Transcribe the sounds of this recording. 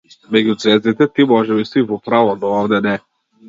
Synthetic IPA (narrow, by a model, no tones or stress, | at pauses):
mɛɡʲut̪svɛzit̪ɛt̪imɔʒɛist̪ivɔpɾavɔnɔɔvd̪ɛnɛ